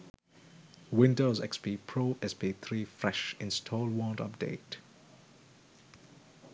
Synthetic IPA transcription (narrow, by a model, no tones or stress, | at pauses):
wɪ̃ndozɛ̰kspipʰɹoːʔɛspiθʰɹiːfɹɛʃɪ̃nstʰɔːlwɔ̃ntʌ̰p̚d̥ḛɪt